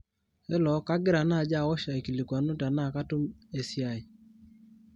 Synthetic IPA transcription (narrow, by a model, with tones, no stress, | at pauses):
ɛ˦lɔ˨˦ka˦ɡɪ˦ɾa˨na˦˨d͡ʒa˦˨wɔ˦ʃa˨i˨ki˨li˨kwa˨nʊ˦ta˨na˦˨ka˦tu˦me˨sja˨j